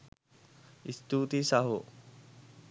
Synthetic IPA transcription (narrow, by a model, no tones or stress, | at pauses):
ist̪ut̪isaɦo